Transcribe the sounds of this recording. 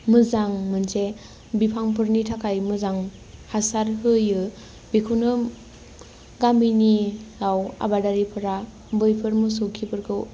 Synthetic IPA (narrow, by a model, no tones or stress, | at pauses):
mɯzaŋmɯnse | bipʰaŋpʰɯɾnitʰakʰajmɯzaŋ | hasaɾɦɯjɯ | bikʰunɯ | ɡambiniawa̰badaɾipʰɯɾa | bɯjpʰɯɾmɯsɯwkʰipʰɯɾkʰɯw